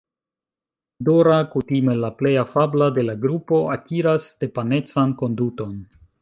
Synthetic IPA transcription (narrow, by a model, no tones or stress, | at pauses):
doɾakutime̞laple̞jafablade̞laɡɾupo̞akiɾasde̞pane̞t͡sanko̞nduto̞n